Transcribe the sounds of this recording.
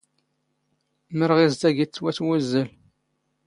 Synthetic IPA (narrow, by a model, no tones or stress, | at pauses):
məɾʁizd̪æʝit͡sːwæθwæzːəl